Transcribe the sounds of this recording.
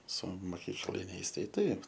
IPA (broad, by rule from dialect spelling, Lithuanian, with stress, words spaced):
sʊ moːˈkʲiːklʲɪnʲɛɪs ˈtɐɪ ˈtɐɪp